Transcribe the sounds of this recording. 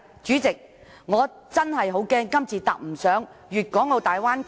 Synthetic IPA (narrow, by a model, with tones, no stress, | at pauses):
t͡ʃyː˨˥t͡sɪ˨k̚ | ŋɔː˨˧ | t͡sɐ˥nhɐ˨jɦo˨˥wkɛː˥ŋkɐ˥mt͡sʰiː˨t̪ɐ̰˨k̚m̩˨˩sœː˨˥ŋɥyː˨t̚kʷɔː˨˥ŋo˨˧t̪aː˨jwaː˥n